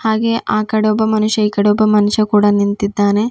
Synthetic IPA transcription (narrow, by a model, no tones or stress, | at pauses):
haːɡeːʔaːkɐɽɔːbɐmɐnuʂjɐiːkɐɽɔːbɐmɐnuʃjɐkuːɽɐnint̪id̪ːaːne